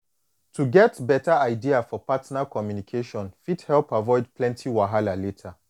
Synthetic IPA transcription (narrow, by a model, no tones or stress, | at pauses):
tʰuɡɛtbɛtaaɪdiafɔpatnakʰɔmjunikʰeʃɔ̃nfithɛlpavɔɪd̚pʰlɛ̃ntʰiwaɦalaletʰa